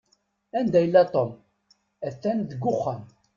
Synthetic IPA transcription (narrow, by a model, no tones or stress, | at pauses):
ænd̪æjəlːæt̪ˤom | æθːænðəɡʷːʊχːəm